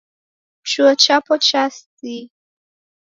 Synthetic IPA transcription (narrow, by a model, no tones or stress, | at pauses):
t͡ʃuət͡ʃapɔt͡ʃasti